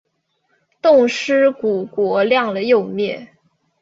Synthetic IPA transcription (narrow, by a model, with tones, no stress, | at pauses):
t̪ʊ˥˩ŋʂɻ̩˥ku˨˩kwɔ˧˥ljɑ˥˩ŋlə˩jo˥˧ʊmjɛ˥˩